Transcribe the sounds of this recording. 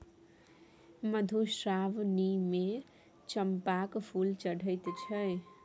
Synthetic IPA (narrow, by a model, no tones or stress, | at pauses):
mʌd̪ʱusrabnime | t͡sʌmpakpʰult͡sʌɽʱʌjt̪t͡sʰʌj